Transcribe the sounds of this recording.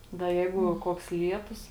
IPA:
dɐ ˈjɛɪɡʊ ˈkuɔks ˈlʲiɛtʊs

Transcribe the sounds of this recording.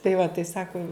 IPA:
tɐɪ ʋɐ tɐɪ ˈsɑːkʊ

